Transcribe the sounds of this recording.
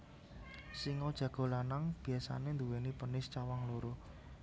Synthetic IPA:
siŋɔd̥ʒ̥ä̤ɡ̥o̤lanaŋb̥i̤asa̰nend̪uwenipənɪst͡ʃawaŋloɾo

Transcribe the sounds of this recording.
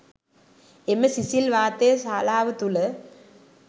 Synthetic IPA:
emːesisilʋaːt̪eːsaːlaːʋɨt̪ulɐ

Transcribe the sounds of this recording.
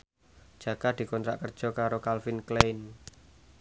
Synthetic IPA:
d͡ʒ̥ä̤ɡ̥ad̪̥i̤kɔnt̪ɾa̰ʔkər̥ʒ̥ɔ̤kaɾokalfinklen

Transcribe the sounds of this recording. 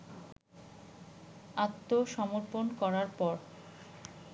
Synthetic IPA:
at̪ːoʃɔmoɾponkɔɾaɾpɔɾ

